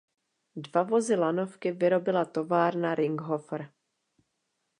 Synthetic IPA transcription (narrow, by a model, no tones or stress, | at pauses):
dvavo̞zɪlano̞fkɪvɪɾo̞bɪlat̪o̞vaːɾnaɾɪŋɡɦofɾ